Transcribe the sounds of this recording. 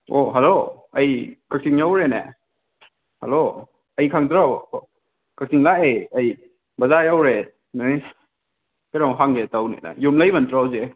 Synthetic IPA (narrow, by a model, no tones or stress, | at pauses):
oɦalo | ɐjkak̚siŋjawɾenḛ | halo | ɐjkʰaŋdɾaw | kak̚siŋlaejɐj | bɐzajawɾe | nani | kaɾamɦaŋɡetawnḭna̰jumlajbantɾawze